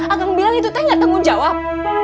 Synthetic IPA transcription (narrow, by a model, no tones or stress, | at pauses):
aɡaməbilaŋit̪̬ut̪aɲaʔt̪aŋʊnd͡ʒawap̚